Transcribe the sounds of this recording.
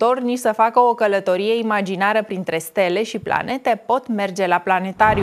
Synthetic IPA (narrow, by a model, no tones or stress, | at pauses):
t̪o̞rnisəfakəo̞kələt̪o̞ɾije̞imad͡ʒinaɾəpɾint̪ɾe̞st̪e̞le̞ʃipla̰ne̞t̪e̞po̞t̪me̞rd͡ʒe̞laplane̞t̪aɾʲju